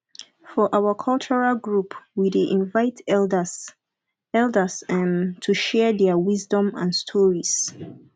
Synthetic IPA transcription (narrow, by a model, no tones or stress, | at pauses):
fɔʔawəkʰɔlt͡ʃɔɹalɡɹupwideʔĩnvaɪtd | ɛldəsɛ̃mtʰuʃɛdɛwizdɔ̃mã̰nstʰɔɹis